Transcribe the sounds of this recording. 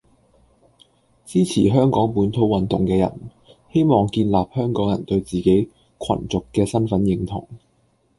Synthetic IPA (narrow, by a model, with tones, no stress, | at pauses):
t͡siː˥t͡sʰiː˨˩ɦœː˥ŋkɔː˨˥ŋpuː˨˥nt̪ʰo˨˥wɐ˨nt̪ʊ˨ŋkɛː˧jɐ̰˨˩n | he˥jmɔː˨ŋkiː˧nlaː˨p̚hœː˥ŋkɔː˨˥ŋjɐ̰˨˩nt̪ɵ˧ɥt͡siː˨ke˨˥j | kʷʰɐ̰˨˩nt͡sʊ˨kːɛː˧sɐ˥nfɐ˨˥njɪ˧ŋt̪ʰʊ̰˨˩ŋ